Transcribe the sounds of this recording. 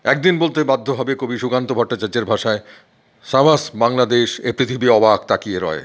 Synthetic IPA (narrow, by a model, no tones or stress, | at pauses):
ɛk̚d̪inbolt̪ebad̪ʱːobʱɔbekobiʃukant̪obʱɔʈːat͡ɕaɾd͡ʑeɾbʱaʃae | ʃamasbaŋlad̪eʃepɾit̪ʰibiɔbak̚t̪akieɾɔ̰e